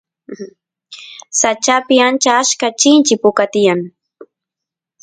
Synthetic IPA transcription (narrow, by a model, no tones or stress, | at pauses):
sat͡ʃapɪant͡ʃaaskat͡ʃɪnt͡ʃɪpʊkat̪ɪjaŋ